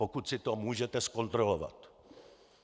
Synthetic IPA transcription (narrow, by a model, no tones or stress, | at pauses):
okut̪sɪt̪omuːʒɛt̪ɛskont̪ɾolova̰t̪